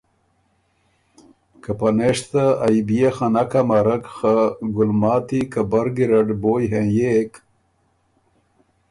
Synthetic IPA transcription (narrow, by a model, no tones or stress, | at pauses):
kapɐneʂt̪aːjbijaxɐnɐkamɐɾɐkxaɡʊlmaːt̪ikɐbɐɾɡiɾɐɖboːjɦẽjek